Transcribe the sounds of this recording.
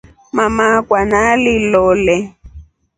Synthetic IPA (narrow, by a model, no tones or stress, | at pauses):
mamakwanalɪlɔːlɛ